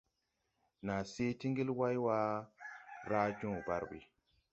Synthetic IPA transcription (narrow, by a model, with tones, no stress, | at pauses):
na˨se˦ti˦ŋɡi˦lwa˦jwa˦ | ɾa˦d͡ʒɔ̃˦˨ba̰˨ɾwḭ˨